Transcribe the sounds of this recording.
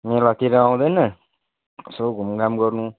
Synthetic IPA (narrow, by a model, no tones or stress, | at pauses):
mẽlakiɾããd̪enã | soɡumɡamɡɔnũ